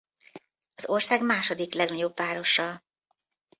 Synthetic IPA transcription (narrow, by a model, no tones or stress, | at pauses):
ɒzo̞rsaːɡmaːʃo̞d̪iklɛɡnɒɟo̞bvaːɾo̞ʃːɒl